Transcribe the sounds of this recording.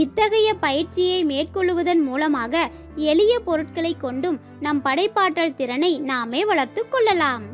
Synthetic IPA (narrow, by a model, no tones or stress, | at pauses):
ɪt̪ːɐɣɐjɐpɐjɪɾt͡ʃɪjɐɪmeːʈ̚kɔɭːɯʋɐðɐnmuːlɐmaːɣɐ | ɛɭɪjɐpɔɾɯʈ̚kɐɭɐɪkːɔɳɖɯm | nɐmpɐɽɐɪpːaːʈːɐɭt̪ɪɾɐnɐɪnaːmeːʋɐɭɐɾt̪ɯkːɔɭːɐlaːm